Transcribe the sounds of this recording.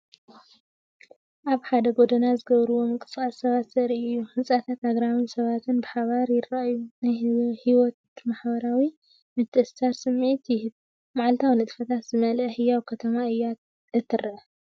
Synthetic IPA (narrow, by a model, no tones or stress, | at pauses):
ʔaβħad̪ɐɡo̞d̪ɐnazɨɡɐβɾɨwo̞mɨkʼɨsʼasːɐβat̪sɐʔɾiɨjːuhɨnsʼat̪ʰat̪aɡɾamɨnsɐβat̪ʰɨnbɨħaβaɾjɪraʔjunajhiwɔt̪maħbɐɾawi | mɨt̪ʰːɨʔɨsaɾsɨmːʕit̪jɪhɨd | maʕlt̪ʰawnɨt̪ʼfɐt̪ʰat̪z̥ɨmɐlʔɐhɨjawkʰɐt̪ʰɐmaɨjːat̪ | ɨt̪ʰːɨrɾʔɐ